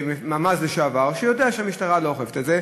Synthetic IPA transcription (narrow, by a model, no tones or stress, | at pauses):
memamasleʃeavaʁʃejo̞deaʃehamiʃtaʁalooχefetetze